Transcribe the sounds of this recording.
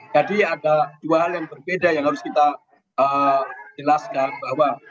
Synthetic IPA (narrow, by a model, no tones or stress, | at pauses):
d͡ʒadiadad̥uaɦaljaŋt̪ərbedajaŋɦaɾʊskit̪a | ʔəːd͡ʒəlaskanbaɦwa